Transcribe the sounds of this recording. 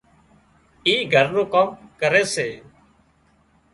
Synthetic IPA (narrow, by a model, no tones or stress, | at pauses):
iːɡʱəɾnũːkəmkəɾeːseː